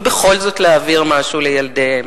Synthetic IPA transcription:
beχo̞lzo̞t̪leaviʁmaʃulejald̪ehem

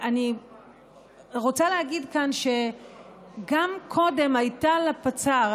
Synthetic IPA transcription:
ʔani | ʁo̞t͡saleɦaɡidkanʃe̞ | ɡamkʰo̞de̞majtalapat͡sa

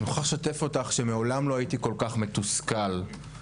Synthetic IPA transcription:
nuχaʁʃate̞fo̞taχʃe̞meo̞lamlo̞ajitiko̞lkaχme̞t̪uskal

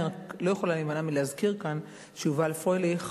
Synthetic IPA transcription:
lo̞jeχo̞lalimanamileazkiʁkan | t͡ʃuvaːlfʁoliχ

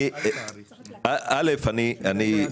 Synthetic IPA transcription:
aalefaniani

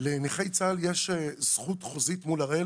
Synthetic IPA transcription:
leniχejt͡saljeʃez̥χutχozitmulaʁe

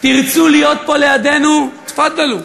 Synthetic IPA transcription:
t̪iʁt͡sulijo̞t̪̚po̞lejad̪e̞nut̪fat̪̚dalu

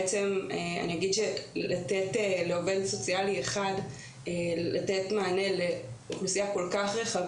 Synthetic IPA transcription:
et͡semea̰nijaɡid̪ʃelateteleove̞dso̞t͡sialieχad | elatetmaːne̞leuχlusijako̞lkaχʁeχav

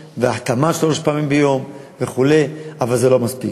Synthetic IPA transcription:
veaħt̪amaʃaloʃpaamimbejo̞m | veχule̞javalzelo̞maspik

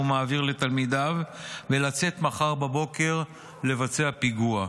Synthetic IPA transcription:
umaːviʁle̞t̪almid̪avvelat͡se̞t̪maχaʁbabo̞ke̞ʁ | le̞vat͡seapiɡua

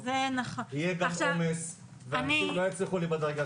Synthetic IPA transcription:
zenaχonhijeɡaamomes | veanilojet͡sliχulibad̪aʁɡa

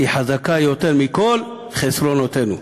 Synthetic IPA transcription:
iħazakajot̪e̞ɾmiko̞l | χesɾo̞not̪enu

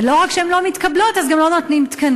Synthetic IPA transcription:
loʁakʃɛemlomit̪kablot̪azɡamlo̞not̪nimt̪kan

